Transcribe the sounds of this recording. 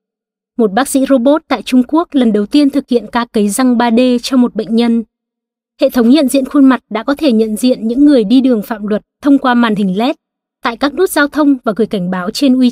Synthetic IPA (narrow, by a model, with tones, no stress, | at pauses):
mo˨˩t̚ɓaː˦˥k̚sḭ˧˥zo˧ɓo˦˥t̚t̪a̰ː˧˨jt͡ɕʊ˧ŋ͡mku˦˥ək̚lə˨˩nɗə˨˩wt̪i˧ənt̪ʰɨ˨˩k̚hḭ˧˨ənkaː˧kə˨˦jza˧ŋɓaː˧ɗe˧t͡ɕɔ˧wŋ͡mmo˨˩t̚ɓə̰˧˨jŋ̟ɲə˧n | hḛ˧˨t̪ʰə˨˦wŋ͡mɲə̰˧˨nzḭ˧˨ənxu˧nma˨˩t̚ɗa̰ː˧˥kɔ˨˦t̪ʰe˧˩ɲə̰˧˨nzḭ˧˨ənɲɨ̰˧˥ŋːɨ˨˩əjɗi˧ɗɨ˨˩əŋfa̰ː˧˨mlwə˨˩t̚t̪ʰːə˧wŋ͡mkwaː˧maː˨˩nhï˨˩ŋ̟lɛ˦˥t̚ | t̪a̰ː˧˨jkaː˦˥k̚nu˦˥t̚zaː˧wt̪ʰə˧wŋ͡mvaː˨˩ɣɨ˨˩əjka˧˩ŋ̟ɓaː˨˦wt͡ɕe˧nʔwi˧